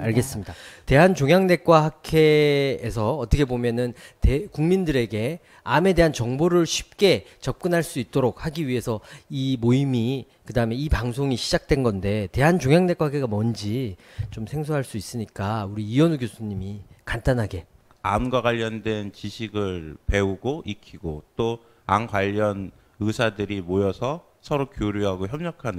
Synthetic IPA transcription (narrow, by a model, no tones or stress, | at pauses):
aɭɡe̞s͈ɯmɲidate̞ɦant͡ɕoŋjaŋne̞k͈waɦakʰe̞ːsʰʌːt͈ʌkʰe̞bomjʌnɯntekuŋmindɯɾe̞ɡe̞ | ame̞de̞ɦant͡ɕʌŋboɾɯɭɕʰi̥p̚k͈e̞t͡ɕʌp̚k͈ɯnɦaɭs͈uit̚t͈oɾok̚haɡiɥiɦe̞sʰʌimoimi | kɯdaɯme̞ipaŋs̬ʰoŋiɕʰid͡ʑak̚t͈we̞nɡʌnde̞te̞ɦant͡ɕoŋjaŋne̞kwaɡeɡamʌnd͡ʑi | t͡ɕomsʰe̞ŋsʰoɦaɭs͈uis͈ɯɲik͈auɾiːʌnuɡjosʰuɲimikant͈anɦaɡe̞ | amɡwaɡaʎːʌndwe̞nt͡ɕiɕʰiɡɯɭpe̞uɡoʔikʰiɡot͈o | a̰nkwaʎːʌn | ɯsʰadɯɾimojʌsʰʌ | sʰʌɾokjoɾjoɦaɡoçjʌmɲʌkʰan